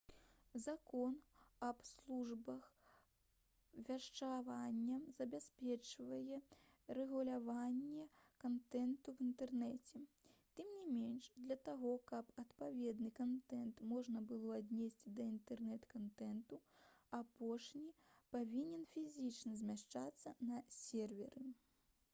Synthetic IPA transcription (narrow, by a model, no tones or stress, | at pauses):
zakɔnɐpslˠuʐbɐx | vʲaʂt͡ʂavanʲːɐzɐbʲasʲpʲɛt͡ʂvɐjɛ | rɛɣulʲavanʲːɛkant̪ɛnt̪uvint̪ɛrnɛt͡sʲɛ | t̪ɨmnʲimʲenʂd̪lʲɐt̪aɣɔkɐpɐt̪pavʲɛd̪nɨkant̪ɛnt̪mɔʐnɐbɨlˠɔad̪ʲnʲesʲt͡sʲd̪ɐint̪ɛrnɛt̪kant̪ɛnt̪uapɔʂnʲipavʲinʲɛnfʲizʲit͡ʂnɐzʲmʲaʂt͡ʂat̪sːɐnɐsʲɛrvʲɛɾɨ